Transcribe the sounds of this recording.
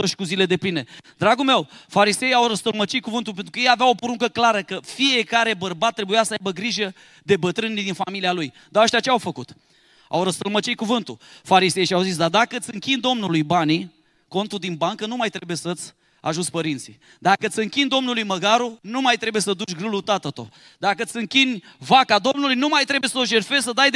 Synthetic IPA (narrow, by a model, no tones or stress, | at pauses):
oʃkuzile̞d̪e̞pline̞d̪ɾaɡulme̞wfaɾise̞jawɾəst̪əlmət͡ʃit̪̚kuvɨnt̪ulpent̪ɾukəjejaveawo̞poɾuŋkəklaɾəkəfije̞kaɾe̞bərbat̪ːɾebujasəajbəɡɾiʒə | d̪e̞bət̪ɾɨnlid̪infamilialuj | d̪aəʃt̪iat͡ʃeawfəkut̪ | a̰wɾəst̪əlmət͡ʃijkuvɨnt̪ufaɾise̞jʃiawzis̬d̪ad̪akəɨt̪sʲɨŋkʲind̪o̞mnulujbani | ko̞nt̪ud̪inbaŋkənumajt̪ɾe̞bujesət̪sʲ | a̰ʒunsʲpəɾint̪sḭ | d̪akət̪ʲɨŋkʲind̪o̞mnulujməɡaɾunumajt̪ɾe̞buje̞səd̪ut͡ʃʲɡɾɨlut̪at̪ət̪o̞̰ | d̪akət̪sʲɨŋkʲinʲ | vakad̪o̞mnulujnumajt̪ɾe̞bujesəo̞ʃe̞rfe̞zsəd̪ajd̪